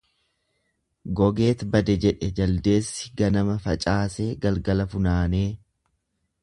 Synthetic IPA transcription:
ɡɔɡe̞ːt̪bɐd̪ɛd͡ʒɛᶑɛd͡ʒɐld̪e̞ːsːɪ̥ɡɐnɐmɐfɐt͡ʃʼaːse̞ːɡɐlɡɐlɐfʊnaːneː

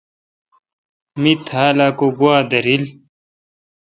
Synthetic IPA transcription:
mit̪ʰaːlaːkoɡuaːd̪ɐɾil

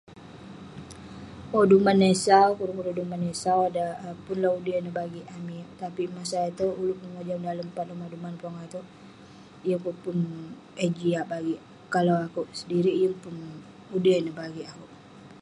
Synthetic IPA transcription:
odumanesawkuɾukudadumanːesawadapʊnlaudənəbaɡiʔamit̪apimasait̪uulʊʔməŋod͡ʒaŋdaləmpadumadumanpɔŋat̪u | jəŋpupʊn | ɛd͡ʒiaʔbaɡiʔ | kalawakuʔsədiɾiʔjəŋpʊn | udənəhbaɡiakuʔ

